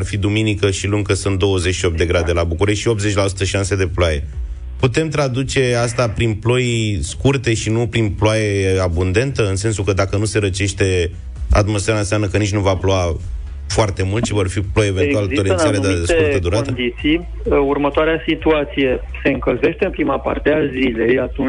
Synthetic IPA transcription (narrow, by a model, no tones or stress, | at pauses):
arfid̪uminikəʃiluŋɡ̚kəsɨnt̪̚d̪o̞wəze̞t͡ʃʲʃio̞p̚t̪d̪e̞ɡɾad̪e̞labukuɾe̞ʃt̪ʃio̞pt̪ze̞t͡ʃʲlasu̥t̪əʃiʃanse̞d̪e̞ploaje̞̰ | put̪e̞mt̪ɾad̪ut͡ʃe̞ast̪apɾinplo̞jskurt̪e̞ʃinupɾinploaje̞abund̪e̞nt̪əɨnse̞nsukəd̪akənuse̞ɾət͡ʃe̞ʃt̪e̞ | a̰t̪mo̞sfeɾanseamnəkənit͡ʃʲnuvaploa | foart̪e̞mult̪ʃivo̞rfiplo̞jevenualt̪oleiaɾed̪ad̪eskeuɾt̪əd̪uɾat̪əd̪it̪sij | urmət̪oaɾeasit̪uat̪sije̞ | se̞ɨŋkəlze̞ʃt̪e̞ɨmpɾimapa̰rt̪eazilejat̪un